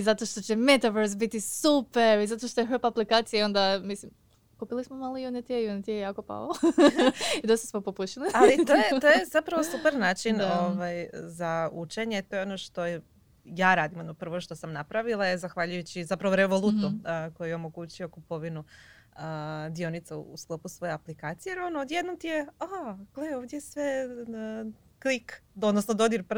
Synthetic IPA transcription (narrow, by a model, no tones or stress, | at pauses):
izat̪o̞ʃt̪o̞t͡ɕe̞me̞t̪aʋeɾsbit̪isupeɾizat̪oʃt̪o̞jeɦopaplikaːt̪sijao̞nd̪amislim | kupilismomalˠojunit̪iejunit̪ijejaːko̞pa̰lo | id̪ost̪asmopo̞puʃilialit̪ojet̪oje̞zapɾaʋo̞supeɾnaːt͡ʃinoʋajzaut͡ʃe̞ɲe̞t̪o̞jo̞no̞ʃt̪o̞je | jaːɾaːd̪imod̪nopr̩ʋo̞ʃt̪o̞samnapɾaʋilˠajezaxʋaʎujut͡ɕizapɾaʋoɾe̞ʋo̞lˠut̪uko̞jujeo̞mo̞ɡut͡ɕio̞kupo̞ʋinuəd̪io̞nit̪saṵsklˠopusʋo̞jeaplikaːt̪sijeeɾonood̪jed̪nomt̪ijeakojeoʋd̪ʲje̞sʋe̞ | klikod̪nosnod̪od̪iɾp